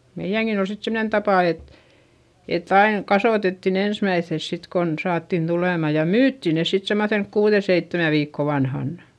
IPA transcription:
meij̆æŋkin ol sit semnen tɑpɑˑ et etː ɑiŋ kɑsoˑtetːin ensmæiθːes sit kon sɑːtːin tuleˑmɑ jɑ myːtːi ne sit semːoθenk kuːðe seitːemæ ʋiːkːo ʋɑnhɑnːɑ̥

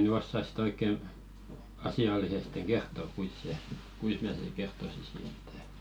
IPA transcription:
ny osːɑs sĭt oikˑe ɑsiɑlːisesteŋ̞ ɡ̊ertːo kuis se kuis mæ sen̞ sik̆ kertːosisi e̥tːæ̥

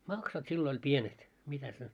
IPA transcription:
mɑksɑt silːo olʲ pienet mitæs ne

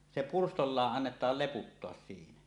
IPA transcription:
se purstolːɑːʔ ʔɑnːetɑːl leputːoɑs siːnæ

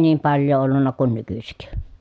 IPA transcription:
niːm pɑljˑoː olːunːɑ kun nykysik

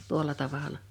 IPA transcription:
tuolˑɑ tɑʋɑlɑ

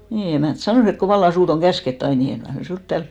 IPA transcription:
niː emæˑnt sɑnoˑs et ko ʋɑlːɑ suːt oŋ kæsketː ɑin ni eŋ kɑi mæ suːt tæːlp

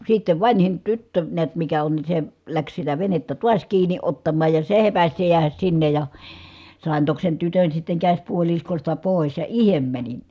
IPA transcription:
sitːeʋ ʋɑnhin tytːø niæt mikæ on ni se læks sitæ ʋenetːæ tuɑs kiːnˑi otːɑmːɑːj jɑ se hepæs se jeæhæs sinːej jɑ sɑˑen tok sen tytøn sitːeŋ kæsʲpuoliskostɑ poˑis jɑ ihem mænin

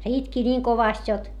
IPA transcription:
se itki nʲiːŋ koʋɑst jot

